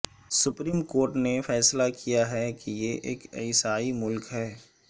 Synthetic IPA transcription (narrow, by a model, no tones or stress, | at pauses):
sʊpɾiːmkoːɾʈnefɛːslakʰijaɦɛkijeʔḛːkḛɪsaːimʊlkɦɛː